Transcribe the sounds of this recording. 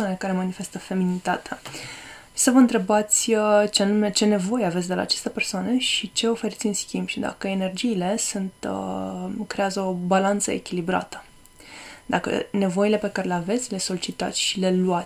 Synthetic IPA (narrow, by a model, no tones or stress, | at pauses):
anekaɾe̞manife̞st̪əfe̞minit̪at̪ea | səvəɨnt̪ɾe̞bat̪sʲət͡ʃeanumet͡ʃe̞ne̞vo̞jeavesʲd̪ela̰ːt͡ʃest̪epe̞rsoaneʃit͡ʃe̞o̞fe̞ɾit̪sʲɨnskʲimbʃid̪a̰kəene̞rd͡ʒiːle̞sunt̪əkɾe̞azəo̞balant̪sə̰e̞̰kʲilibɾa̰t̪ə̥ | d̪akə̰ne̞vo̞ile̞pe̞kaɾe̞leave̞t̪sʲle̞so̞lit͡ʃit̪a̰t̪sʲʃile̞luatʲ